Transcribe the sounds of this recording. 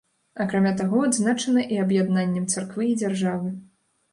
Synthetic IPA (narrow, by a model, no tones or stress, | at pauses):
akɾamʲat̪aɣɔad̪znat͡ʂɐnɐʔiɐbjad̪nanʲːɛmt̪sarkvɨːd͡zʲarʐavɨ